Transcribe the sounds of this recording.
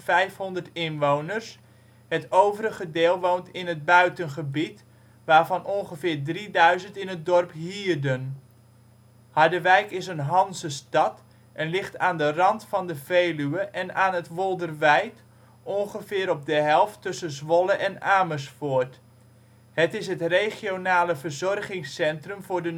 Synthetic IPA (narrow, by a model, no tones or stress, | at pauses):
fɛjfhɔndərtɪnʋownərs | hətowvəɾəɣədeːlˠʋowntɪnɦət̚bœɥtənχəbit | ʋaːvɑnʔɔnχəfɪːrdridœɥzəntɪnət̚dɔrpɦiːrdən | hadəʋɛjkɪsənɦɑnsəstɑt | ʔɛnlɪχtaːndərɑntfɑndəveːlyəʔɛnaːnətʋɔlˠdərʋɛjt | ʔɔŋχəvɪːɾɔp̚dəɦɛlˠftːɵsənzʋɔləʔɛnaːmərsfoːət | hətɪsɦətrejχjonaːləvərzɔrχɪŋsɛntrəmvʊːdə